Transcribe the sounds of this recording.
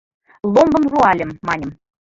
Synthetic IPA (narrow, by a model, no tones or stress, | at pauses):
lˠombɤ̆mruɑlʲɘ̆mːɑnʲɤ̆m